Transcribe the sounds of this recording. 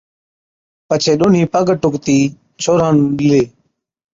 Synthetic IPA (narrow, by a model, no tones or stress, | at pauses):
pət͡ʃʰeːɗoːn̤iːpəɡəʈʊkt̪iː | t͡ʃʰoːɾãːnːleː